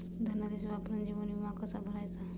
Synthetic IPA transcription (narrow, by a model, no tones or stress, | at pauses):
d̪ʱənad̪isʋapɾənd͡ʑiʋənimakəsabʱəɾajt͡sa